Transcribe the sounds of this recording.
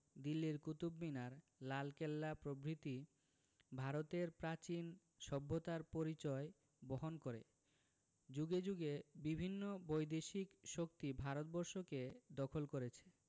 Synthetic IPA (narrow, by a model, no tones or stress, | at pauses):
d̪ilːiɾkut̪ubminaɾ | lalkelːapɾobɾit̪i | bʱaɾot̪eɾpɾat͡ɕin | ʃɔbʱːot̪aɾpoɾit͡ɕɔe | boɦonkoɾḛ | d͡ʑuɡed͡ʑuɡebibʱinːobojd̪eʃikʃok̚t̪ibʱaɾot̪̚bɔɾʃoked̪ɔkʰolkoɾet͡ɕʰe̥